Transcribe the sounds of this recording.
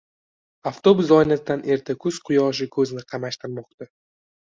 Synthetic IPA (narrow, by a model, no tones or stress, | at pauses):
aft̪o̞bʊsɒjnat̪d̪anʔe̞ɾt̪ʰakʰʊz̥qʰʊjɒʃ̬ɪkʰɵzɪnɪqʰɑmaʃt̪ɪɾmɒq̚t̪a